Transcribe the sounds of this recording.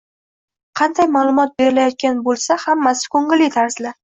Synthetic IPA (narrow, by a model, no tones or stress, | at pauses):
qʰɑnd̪ajmaːlˠʊmɒt̪̚be̞ɾɪlajɒt̪̚kʲanbolˠsahamːasɪ̥kʰɵŋɪlit̪ʰaɾz̥la